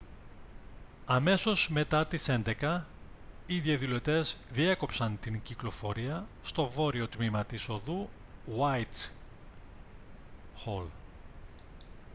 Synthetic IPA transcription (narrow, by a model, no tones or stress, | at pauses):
ɐme̞so̞zme̞t̪ɐt̪ise̞nd̪e̞kɐ | iðiɐðulo̞t̪e̞zðieko̞psɐnt̪iŋciklo̞fo̞ɾiɐst̪o̞vo̞ɾio̞t̪mimɐt̪iso̞ðu | wajt̪ | xol